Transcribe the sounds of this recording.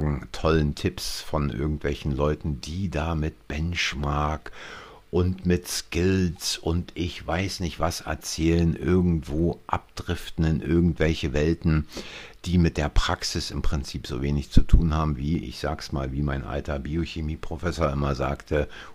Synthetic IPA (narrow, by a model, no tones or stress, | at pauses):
ɡŋ̩tʰɔləntʰɪpsfɔnʔɪ̰ɐɡŋ̩tv̥ɛlçn̩lɔʏtn̩diːdaːmɪt̚b̥ɛnʃmaɐk | ʔʊntmɪtskɪlsʔʊntʔɪçv̥aɪsnɪçtv̥asʔɛ̰ɐt͡sɛːlənʔɪɐɡŋ̩tv̥oːʔa̰p̚d̥ʁɪftn̩ɪnʔɪɐɡŋ̩tv̥ɛlçəvɛltn̩d̥iːmɪt̚d̥eːɐpʁ̥aksɪsɪmpʁ̥ɪnt͡siːpz̥o̰ːveːnɪçt͡sutʰuːnhaːbm̩viːʔɪ̰çz̥a̰ːksma̰ːlviːmaɪnʔa̰ltɐbioçemiːpʁ̥ofɛsoːɐʔɪmɐza̰ːktʰə